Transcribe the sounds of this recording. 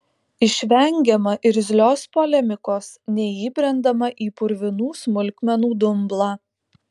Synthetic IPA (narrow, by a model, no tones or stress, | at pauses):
ɪʃʲʋʲɛŋʲɡʲɛmɐʔɪɾzʲlʲoːspolʲɛmʲɪkoːsnʲɛiːbʲɾʲɛnd̪ɐmɐʔiːpʊɾʲʋʲɪnuːsmʊlʲkʲmʲɛnuːd̪ʊmblˠɑː